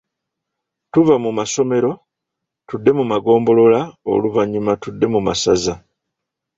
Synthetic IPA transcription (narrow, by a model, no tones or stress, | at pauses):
tuvamumaso̞me̞ɾo̞ | tudːe̞mumaɡo̞ːmbo̞lo̞lao̰luvaɲːumatudːe̞mumasaza